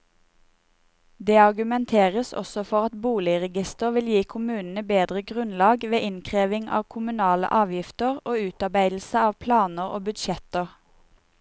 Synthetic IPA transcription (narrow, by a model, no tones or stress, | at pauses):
d̪eːɑʁɡʉmɛnt̪ʰeːʁəsɔ̰sɔfɔʁɑt̪buːlɪəʁɛɡɪst̪əʁʋɪljiːkʰʊmʉːnn̩əbeːd̪ʁəɡʁʉnlɑːɡʋeːʔɪnkʰʁeːʋɪŋʔɑ̰ːʋkʰʊmʉnɑːlə̰ʔɑːʋjɪft̪əʁoːʉːt̪ɑʁbæɪd̪l̩səɑːʋpʰlɑːnəʁo̰ːbʉd̪ʃɛt̪əʁ